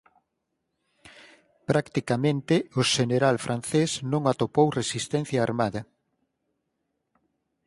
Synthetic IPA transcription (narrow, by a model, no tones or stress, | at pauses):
pɾakt̪ikamẽnt̪ɪʊʃeneɾalfɾʔanθesnõŋat̪opowresist̪ɛnθjaːɾmaðɐ